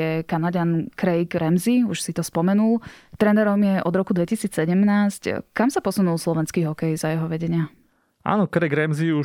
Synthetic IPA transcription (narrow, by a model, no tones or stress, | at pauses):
ɛkanaɟankɾɛjɡɾɛmziuʃsit̪ɔspɔmɛnult̪ɾɛnɛɾɔmjɛʔɔd̪ɾɔkud̪ʋɛcisiːt͡ssɛɟɛmnaːsckamsapɔsunulˠslɔʋɛnskiːɦɔkɛjzajɛɦɔʋɛɟɛɲɪa | ʔa̰ːnɔkɾɛɡɾɛmziu